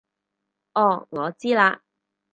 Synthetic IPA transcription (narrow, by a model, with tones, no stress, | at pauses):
ʔɔː˧˩ŋɔː˨˧t͡siː˥laː˧